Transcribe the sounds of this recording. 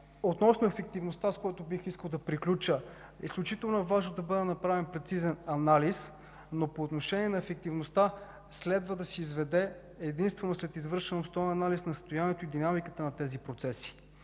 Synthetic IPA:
ot̪nɔsnoɛfɛk̚t̪ivnost̪askojɛt̪obixiskəlˠd̪ɐpɾiklʲut͡ʃə | ḭsklʲut͡ʃit̪ɛlˠnʊɛvaʒnod̪ɐbəd̪ɛnɐpɾavɛnpɾɛt̪sizɛnɐnalis | nopoːt̪noʃɛniɛnɐɛfɛk̚t̪ivnost̪a | slɛd̪vəd̪ɐsiizvɛd̪ɛː | d̪inst̪vɛnoslɛt̪izvɤɾʃɛnopst̪ɔɛnɐnalisnɐst̪ojanʲiɛt̪oid̪inamikət̪ənɐt̪ɛzipɾot̪sɛsi̥

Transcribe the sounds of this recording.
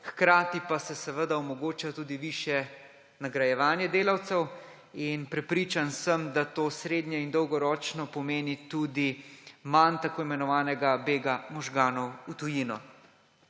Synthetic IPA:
xkɾaːt̪ipasɛsɛʋəd̪aɔmɔɡoːt͡ʃat̪uːd̪iʋiːʃjɛ | naɡɾajɛʋaːnjɛd̪eːlawt̪sɛw | inpɾɛpɾiːt͡ʃansəmd̪at̪oːsɾeːd̪njɛind̪ɔwɡɔɾɔːt͡ʃnɔpɔmeːnit̪uːd̪imant̪akoːimɛnɔʋaːnɛɡabeːɡamɔʒɡaːnɔwut̪ujinɔ

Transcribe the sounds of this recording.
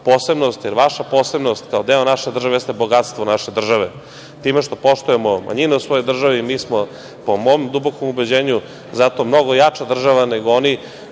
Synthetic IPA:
poːse̞bnost̪jɛɾʋaʃapoːse̞bno̞st̪kaod̪eonaʃed̪r̩ʒaʋejest̪eboɡat̪st̪ʋonaʃe̞d̪r̩ʒaʋe | t̪iːmeʃt̪o̞po̞ʃt̪ujemomʔa̰ɲinɛusʋo̞jojd̪r̩ʒaʋimiːsmo | pomoːmd̪ubokomubed͡ʑeːɲu | zat̪o̞mno̞ɡojat͡ʂad̪r̩ʒaʋaneɡooni

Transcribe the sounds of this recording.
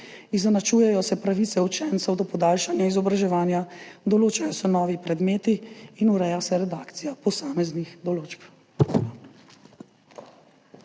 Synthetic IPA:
iznɛnat͡ʃuːjɛjɔsɛpɾaʋit̪ɛut͡ʃɛnt̪sɛwd̪ɔpɔd̪aːlʃanjaizɔbɾaʒɛʋaːnjad̪ɔloːt͡ʃajɔsɛnɔːʋipɾɛd̪meːt̪iːnuɾɛjasɛɾɛd̪aːkt̪sijapɔsaːmɛznixd̪ɔloːt͡ʃp

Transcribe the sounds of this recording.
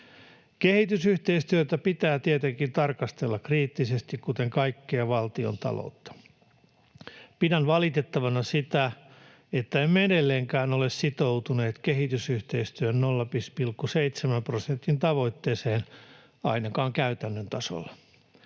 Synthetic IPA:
kehit̪ysyht̪eist̪yøt̪æpit̪æːt̪iet̪eŋkint̪ɑrkɑst̪elːɑkriːt̪ːisest̪ikkut̪eŋkɑikːeɑʋɑlt̪io̰nt̪ɑ̰lo̰ut̪ːɑ̥ | pidænʋɑlit̪e̞t̪ːɑʋɑnɑsit̪æ | et̪ːæemmedelːeːŋkæːnolessit̪owt̪une̞ːt̪keɦit̪ysyht̪e̞ist̪yønnolːɑpispilkːuseit̪semæmprosent̪ːint̪ɑʋo̞it̪ːeːseːn | ɑ̰inɑkɑːŋkæyt̪ænːønt̪ɑso̰lːɑ

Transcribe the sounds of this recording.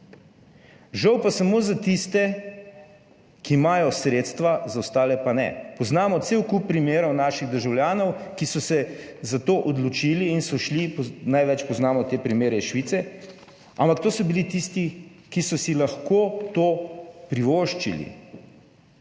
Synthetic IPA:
ʒawpasamozat̪ist̪ɛ | kiːmaːjɔsɾeːt̪st̪ʋazawst̪aːlɛpanɛ̰pɔznaːmɔt̪sewkup̚ːɾimeːɾɔwnaːʃiɣd̪əɾʒawljaːnɔwkisɔsɛ | zat̪oʔɔd̪lɔt͡ʃiːliːnsɔʃlipnajʋɛt͡ʃpɔznaːmɔt̪eːpɾimeːɾɛʃʋit̪sɛ | a̰mpak̚t̪oːsɔbilit̪ist̪i | kisɔsilaxkoːt̪oːpɾiʋoːʃt͡ʃḭlḭ

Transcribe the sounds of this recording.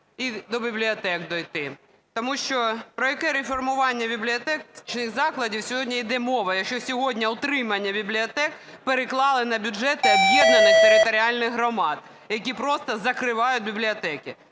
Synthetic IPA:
id̪ɔbʲiblʲɪɔt̪ɛkd̪ɔjt̪ɪ | t̪ɔmuʃt͡ʃɔpɾɔjɐkɛɾefɔrmʊʋɑnʲːɐbʲiblʲiɔt̪ɛt͡ʃnɪɣzɑklˠɐdʲiwsʲɔɦɔdʲnʲɐid̪ɛmɔʋɐjɐkʃt͡ʃɔsʲɔɦɔdʲnʲɐʊt̪ɾɪmɐnʲːɐbʲiblʲiɔt̪ɛk | peɾɪklˠɑlˠɪnɐbʲʊd͡ʐɛt̪ɪɔbjɛd̪nɐnɪxt̪eɾɪt̪ɔɾʲɪɑlʲnɪɣɦɾɔmɑd̪ | jɐk̬ʲipɾɔst̪ɐzɐkɾɪʋɑjʊt̚ʲbʲiblʲiɔt̪ɛkʲɪ

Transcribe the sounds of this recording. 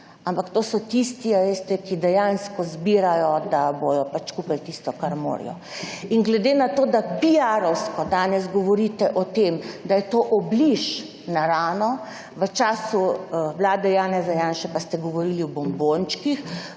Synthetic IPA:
ampakt̪oːsɔt̪ist̪iaʋest̪ɛkid̪ɛjanskɔzbiɾajɔd̪abojɔpat͡ʃkupɛjt̪ist̪ɔkaɾmo̰ːɾḭjɔ̰ | iŋɡlɛd̪enat̪oːd̪abijaɾɔwskɔd̪aːnɛzɡɔʋɔɾiːt̪ɛʔɔt̪emd̪ajɛt̪oːʔɔbliʃ | naɾaːnɔ | ʋət͡ʃaːsuwlaːd̪ɛjaːnɛzajaːnʃɛpast̪ɛɡɔʋɔɾiːliɔbɔmbont͡ʃkix

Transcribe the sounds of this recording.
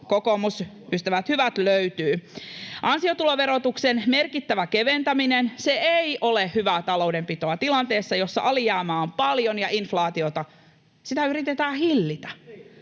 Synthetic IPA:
kokomus | ʔyst̪æʋæt̪hyʋæt̪løyt̪yːʔɑnsiot̪uloʋeɾot̪uksenmerkit̪ːæʋækeʋent̪æminenseeiʔolehhyʋæt̪ɑlo̞udempit̪oɑt̪ilɑnt̪eːsːɑjosːɑ̰ʔɑlijɑːmɑːompɑljonjɑʔinflɑːt̪iot̪ɑ | sit̪æyɾit̪et̪æːhilːit̪æ̥

